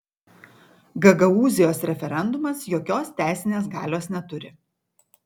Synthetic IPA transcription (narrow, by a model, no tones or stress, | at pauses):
ɡɐɡɐuːzʲɪjoːsɾʲɛfʲɛɾʲɛnd̪ʊmɐsjoːkʲoːst̪ʲæˑɪsʲɪnʲeːsɡɑːlʲoːsnʲɛt̪ʊɾʲɪ̰